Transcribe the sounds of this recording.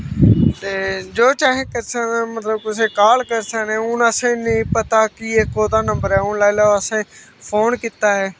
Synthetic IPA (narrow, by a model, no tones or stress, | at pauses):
t̪eːd͡ʒoːt͡ʃaːɦẽːkəɾsənmət̪ləbkʊsẽːkaːlkəɾsənẽːʊnəsẽnĩːpət̪akɪeːkoːd̪aːnə̃mbəɾɦɛːʊnlaːɪlaːʋəsẽː | fʰoːnkɪt̪aːɦɛː